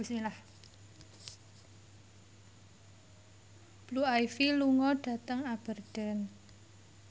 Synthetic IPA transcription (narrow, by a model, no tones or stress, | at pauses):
ismilah | b̥luajfiluŋɔɖ̥a̤t̪əŋab̥ə̤rd̪̥ə̤n